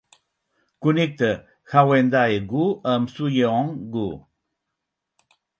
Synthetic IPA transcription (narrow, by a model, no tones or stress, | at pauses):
kunik̚t̪ə | hawend̪aeɡuəmsujeɔ̃ŋɡu